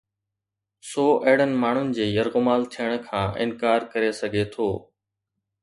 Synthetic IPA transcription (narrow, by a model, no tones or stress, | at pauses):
soːʔeɦɪɽ̤ənɪ̆maːɳ̤ʊnɪ̆d͡ʑeːjəɾɣʊmaːlt̪ʰijəɽ̃̆kʰãːʔɪ̰nkaːɾkəɾesɐɡʱet̪ʰoː